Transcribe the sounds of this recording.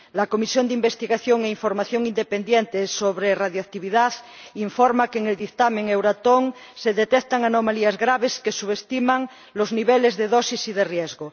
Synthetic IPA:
lakomisjond̪eimbest̪iɣaθjoŋeiɱfoɾmaθjoŋind̪epend̪jent̪esoβɾeraðjakt̪iβiðaðiɱfoɾmakeːŋeld̪ikt̪amẽŋewɾat̪oŋ | seðet̪ekt̪aŋanomaliazɣɾaβeskesuβest̪imaŋ | lozniβelezðeðosisið̞erjezɣo

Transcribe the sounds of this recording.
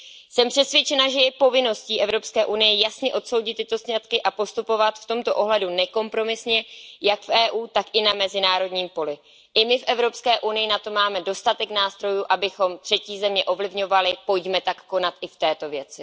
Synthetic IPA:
sɛmpr̥ɛsvjɛt͡ʃɛnaʒɛjɛpo̞vɪno̞sciːʔɛvɾo̞pskɛːʔunɪjɛjasɲɛʔo̞t̪so̞wɟɪt̪ːɪt̪o̞sɲat̪kɪʔapo̞st̪upo̞vat̪ft̪o̞mt̪o̞ʔo̞ɦlɛdunɛko̞mpɾo̞mɪsɲɛjakfʔɛːʔuːt̪akʔɪnamɛzɪnaːɾo̞dɲiːmpo̞lɪ | ʔɪmɪfʔɛvɾo̞pskɛːʔunɪjɪnat̪o̞maːmɛdo̞st̪at̪ɛknaːst̪ɾo̞juːʔabɪxo̞mt̪r̥ɛciːzɛmɲɛʔo̞vlɪvɲo̞valɪpo̞jɟmɛt̪akːo̞nat̪ʔɪft̪ɛːt̪o̞vjɛt͡sɪ

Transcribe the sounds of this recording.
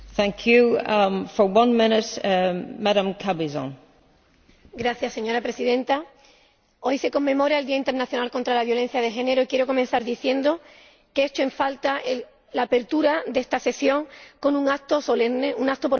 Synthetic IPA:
θæ̃ŋkʰjufə˞wʌ̃nmɪnɪt | maɾə̃mkʰabizɔ̰̃n | ɡɾaθjasːe̞ɲo̞ɾapɾe̞siðẽ̞nt̪a | o̞jse̞ko̞mːẽ̞mo̞ɾaeld̪iaint̪eɾnaθjonalko̞nt̪ɾalaβjo̞le̞n̟θjað̞e̞xe̞ne̞ɾo̞ikjeɾo̞ko̞mẽ̞n̟θaɾðiθje̞nd̪o̞ | keet͡ʃoe̞ɱfalt̪ae | lape̞ɾt̪uɾad̪est̪ase̞sjo̞ŋko̞nũŋat̪osoleneuŋak̚t̪opo

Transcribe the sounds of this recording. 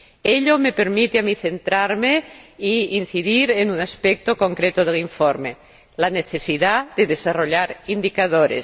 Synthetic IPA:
eʎomepe̞ɾmit̪eamiθe̞nt̪ɾaɾmeiinθiðiɾenunaspek̚t̪oko̞ŋkɾet̪oð̞eliɱfoɾme | laneθe̞siðaðeðesaroʎaɾind̪ikaðoɾḛs

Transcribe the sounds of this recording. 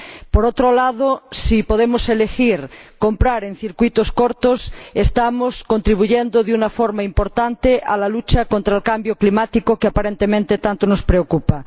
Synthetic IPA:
poɾot̪ɾolað̞osipoðemoselexiɾkompɾaɾen̟θiɾkwit̪oskoɾt̪osest̪amoskont̪ɾiβ̞uʝend̪oðeunafoɾmaimpoɾt̪ant̪eʔalalut͡ʃakont̪ɾaelkambjoklimat̪ikokeapaɾent̪emẽnt̪et̪ant̪onospɾeokupa

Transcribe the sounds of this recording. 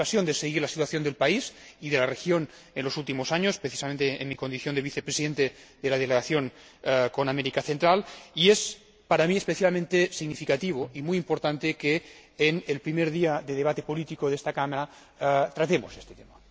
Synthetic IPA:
asjond̪eseɣiɾlasit̪waθjo̞nd̪e̞lpaisiðelarexjon | enlo̞sult̪imosaɲospɾeθi̥samẽnt̪eḛnmiko̞nd̪iθjond̪eβiθepɾesiðent̪ed̪elaðeleɣaθjon | konameɾikaθent̪ɾalies | paɾamiespeθjalmẽnt̪esiɣnifikat̪iβ̞oimujimpoɾt̪ant̪ekeːnelpɾimeɾðiaðeðeβat̪epolit̪ikoðest̪akamaɾa | t̪ɾat̪emosest̪et̪ema

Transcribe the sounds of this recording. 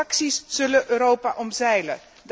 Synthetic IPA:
ɑksisz̥ɵləʔøːɾowpaʔɔmzɛjlə | d

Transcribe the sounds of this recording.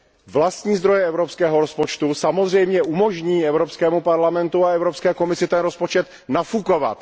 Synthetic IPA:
vlast̪ɲiːzd̪ɾo̞jɛɛvɾopskɛːɦoɾospot͡ʃt̪usamozr̝ɛjmɲɛʔumo̞ʒɲiːɛvɾopskɛːmupaɾlamɛnt̪uaɛvɾopskɛːko̞mɪsɪt̪ɛnɾospot͡ʃɛt̪ | nafuko̞va̰t̪

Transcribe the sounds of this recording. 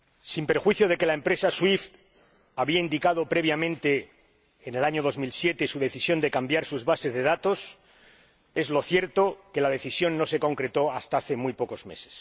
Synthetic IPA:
simpeɾxwiθjoð̞e̞ke̞lae̞mpɾe̞saswift̪ | aβiaind̪ikað̞o̞pɾe̞β̞jamẽnt̪e̞ː | nelaɲoð̞o̞zmilsje̞t̪e̞suðe̞θisjo̞nd̪e̞kambjaɾsuzβase̞zðeð̞at̪o̞s | e̞zlo̞θje̞ɾt̪o̞ke̞lað̞e̞θisjo̞nːo̞se̞ko̞ŋkɾe̞t̪o̞ast̪aaθe̞mujpo̞kozme̞̰se̥s

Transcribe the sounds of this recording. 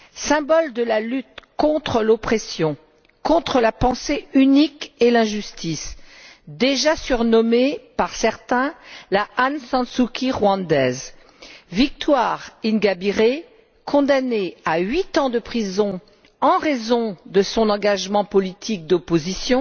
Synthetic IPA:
sɛ̃bɔld̪əlalyt̪kɔ̃t̪χəlopχesjɔ̃ | kɔ̃t̪χəlapɑ̃seynikelɛ̃ʒyst̪is | d̪eʒasyʁnɔmepaʁsɛʁt̪ɛ̃laansɑ̃sukʲʰiʁwɑ̃d̪ɛz | vik̚t̪waʁinɡabiʁe | kʰɔ̃d̪aneaɥit̪ɑ̃d̪əpχizɔ̃ | ɑ̃ʁezɔ̃d̪əsɔ̃nɑ̃ɡaʒmɑ̃pɔlit̪ʰik̚d̪opozisjɔ̃

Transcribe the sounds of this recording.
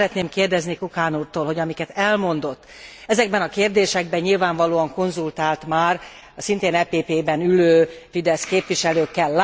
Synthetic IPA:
ɾɛt̪neːmkeːrd̪ɛznikukaːnuːrt̪oːlɦo̞ɟɒmikɛt̪ɛlmo̞nd̪o̞t̪ː | ɛzɛɡ̚bɛnɒkeːrd̪eːʃɛɡ̚bɛɲilvaːɱvɒloːɒŋko̞nzult̪aːlt̪maːr | ɒsint̪eːnɛpeːpeːbɛnyløːfid̪ɛskeːpʋiʃɛløːkːɛlːa

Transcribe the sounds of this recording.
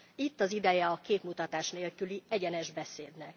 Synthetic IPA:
it̪ːɒzid̪ɛjɛɒkeːt̪mut̪ɒt̪aːʃneːlkyliɛɟɛnɛʒbɛseːd̪nɛk

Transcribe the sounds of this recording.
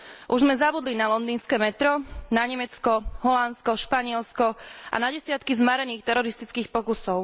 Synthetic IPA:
ʔuʒzmɛzabud̪linalɔnd̪iːnskɛːmɛt̪ɾɔnaɲɛmɛt͡skɔɦɔlanskɔʃpaɲɪɛlskɔʔa̰naɟɛsɪat̪kizmaɾɛniːxt̪ɛɾɔɾist̪it͡skiːxpɔkusɔʊ

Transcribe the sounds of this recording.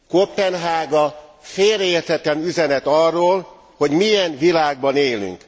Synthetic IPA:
kopːɛnɦaːɡɒfeːreːrt̪ɛt̪ɛnyzɛnɛt̪ɒrːoːl | ho̞ɟmijɛnvilaːɡ̚bɒneːly̰ŋk

